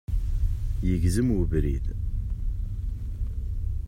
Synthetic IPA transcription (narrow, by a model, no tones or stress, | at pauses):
jəʝzəmwəvɾḭð